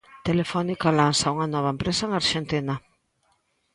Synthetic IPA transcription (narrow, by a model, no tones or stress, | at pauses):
t̪elefɔnikalansauŋɐnɔβ̞aempɾesɐeŋaɾʃent̪inɐ